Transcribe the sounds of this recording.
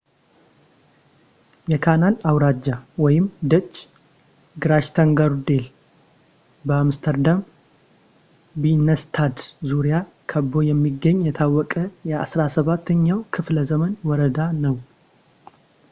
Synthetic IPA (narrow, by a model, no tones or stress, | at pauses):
jɛkʰanalawɾad͡ʒːawɔjɪmd̪ət͡ʃː | ɡɨɾaʃt̪ʰaŋɡaɾud̪el | bəamst̪ʰəɾd̪am | binːəst̪ʰad̪zuɾija | kʰəbːo̞jɛmːiɡːəɲːjɛt̪ʰawːɔkʼəjɛasɾasəβat̪ʰːəɲːawkʰɨfləzəmənwɔɾəd̪anəw